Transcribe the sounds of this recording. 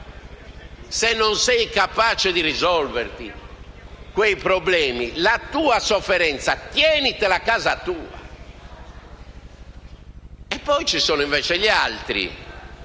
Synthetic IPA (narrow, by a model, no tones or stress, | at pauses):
senːɔnsɛjkapaːt͡ʃɛd̪irizɔlveɾt̪i | kwejpɾɔblɛːmilat̪uːasofːɛɾɛnt̪sat̪jɛːnit̪ɛlakaːzat̪uːa̰ | ɛpːɔjt͡ʃisɔːnoiɱvɛːt͡ʃɛʎialt̪ɾḭ